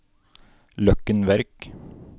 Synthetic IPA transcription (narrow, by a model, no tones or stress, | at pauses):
lœkənʋæɾk